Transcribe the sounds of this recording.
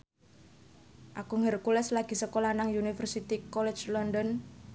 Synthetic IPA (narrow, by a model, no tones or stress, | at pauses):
ʔakuŋərkulɛslaɡ̥i̤səkolanaŋjunifərsit̪ikɔlɛ̥t͡ʃlɔndɔn